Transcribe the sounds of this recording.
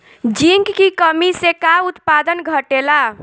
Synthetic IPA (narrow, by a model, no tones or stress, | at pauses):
d͡ʒiŋkkikəmisẽkaut̪pad̪ənɡʱəʈela